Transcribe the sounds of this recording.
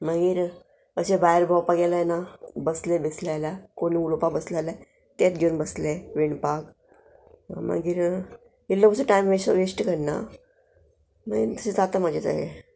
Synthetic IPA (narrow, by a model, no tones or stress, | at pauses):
maɡiːɾ | əsebaeɾbʱawpaɡelanabəslebeslajlakoniulopabəslala | t̪at̪ɡonbəsleʋeɳpak | ma̰ɡiːɾ | ilːəməsuʈajmʋesəʋesʈkəɽna̰ | maɡit̪əsed͡zat̪amad͡ʑʱet̪a̰ɦḛ